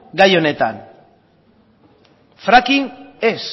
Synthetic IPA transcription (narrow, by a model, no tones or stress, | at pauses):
ɡajo̞ne̞t̪an | fɾakines